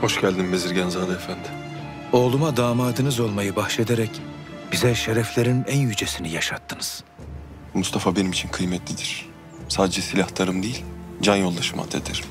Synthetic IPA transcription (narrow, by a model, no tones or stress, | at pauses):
ho̞ʃɟælʲd̪imbeziɾɟænzaːd̪ɛefænd̪im | o̞ːlˠumad̪aːmaːd̪ɯnɯzo̞lˠmajɯbaxʃe̞d̪eɾɛc | b̥izɛʃeɾɛflʲeɾinænjyd͡ʒesinijaʃat̪ʰːɯnɯz̥ | must̪ʰafabe̞nimit͡ʃʰinkʰɯjmɛt̪ʰlʲid̪iɾ̥ | saːd̪ed͡ʒɛsilʲaht̪ʰaɾɯmd̪ejilʲd͡ʒanjo̞lˠd̪aʃɯma̰t̪ʰːḛt̪ʰæɾ̥